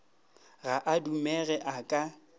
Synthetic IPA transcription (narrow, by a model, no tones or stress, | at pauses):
ɣaʔadumɛɣɛʔakʼa